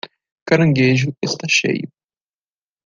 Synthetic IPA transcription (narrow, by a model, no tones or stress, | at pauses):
kaɾɐ̃ŋɡeʒʊest̪aʃḛjʊ